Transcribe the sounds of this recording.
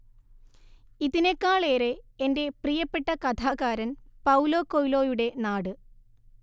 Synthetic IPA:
iðinekːaːɭeːɾe̞ende̞prijɐpːe̞ʈːɐkɐt̪ʰaːɣaːɾɐnpɐwlo̞ːkːojlo̞ːjuɽe̞naːɽɨ

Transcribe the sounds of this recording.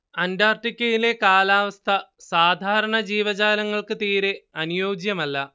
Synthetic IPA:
ɐndaːrʈikʲːɐjile̞kaːlaːʋɐst̪ʰɐsaːd̪ʱaːɾɐɳɐd͡ʑiːʋɐd͡ʑaːlɐŋːɐɭkɨt̪iːɾeɐnujoːd͡ʑjɐmɐlːɐ

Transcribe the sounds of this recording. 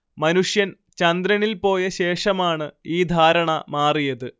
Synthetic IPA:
mɐnuʂjɐn | t͡ɕɐnd̪ɾɐnilpo̞ːjɐɕe̞ːʂɐmaːɳɨiːd̪ʱaːɾɐɳɐmaːrijɐðɨ

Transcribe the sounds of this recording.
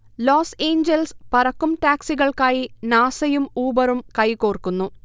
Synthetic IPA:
loːseːɲd͡ʑelspɐrɐkːumʈaːksiɣɐɭkaːjinaːsɐjumuːbɐɾumkɐjkoːrkːunːu

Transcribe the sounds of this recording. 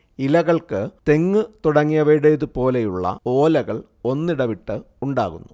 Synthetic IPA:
ilɐɣɐɭkɨt̪e̞ŋːɨt̪uɽɐŋːijɐʋɐɽeːðɨpo̞ːlejuɭːɐ̰oːlɐɣɐɭ | o̞nːiɽɐʋiʈːɨ | uɳɖa̰ːɣunːu

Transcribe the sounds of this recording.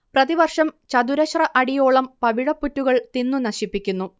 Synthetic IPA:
prɐðiʋɐrʂɐmt͡ɕɐd̪uɾɐɕrɐʔɐɽijo̞ːɭɐmpɐʋiɻɐpːutːuɣɐɭt̪inːunɐɕipːikʲːunːu

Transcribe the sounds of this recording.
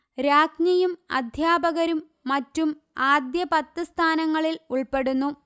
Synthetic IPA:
ɾaːkɲɐjumɐ̰d̪ʱjaːbɐɣɐɾumːɐtːum | aːd̪jɐpɐt̪ːɨst̪ʰaːnɐŋːɐɭiluɭpe̞ɽunːu

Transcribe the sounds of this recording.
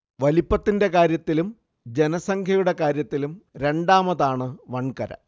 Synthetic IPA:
ʋɐlipːɐt̪ːinde̞kaːɾjɐt̪ːilum | d͡ʑe̞nɐsɐŋkʰjɐjuɽe̞kaːɾjɐt̪ːilumɾe̞ɳɖaːmɐðaːɳɨʋɐɳkɐɾɐ̰

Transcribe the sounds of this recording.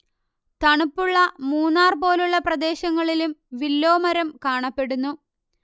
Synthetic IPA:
t̪ɐɳupːuɭːɐmuːnːaːrpo̞ːluɭːɐprɐd̪e̞ːɕɐŋːɐɭilumʋilːo̞ːmɐɾɐmkaːɳɐpːe̞ɽunːu

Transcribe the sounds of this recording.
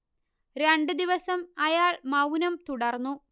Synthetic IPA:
ɾe̞ɳɖɨd̪iʋɐsɐmɐjaːɭmɐwnɐmt̪uɽɐrnːu

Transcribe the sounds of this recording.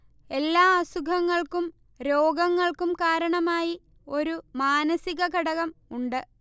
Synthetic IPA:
e̞lːaːasuɡʱɐŋːɐɭkum | ɾoːɡɐŋːɐɭkumkaːɾɐɳɐmaːji | o̞ɾumaːnɐsiɣɐkɐɽɐɣɐmuɳɖɨ

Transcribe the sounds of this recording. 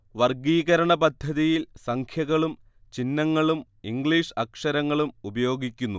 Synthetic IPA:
ʋɐrɡiːɣɐɾɐɳɐpɐd̪ʱːɐðijilsɐŋkʰjɐɣɐɭum | t͡ɕinːɐŋːɐɭum | iŋɡɭiːʂɐkʂɐɾɐŋːɐɭumubɐjo̞ːɡikʲːunːu

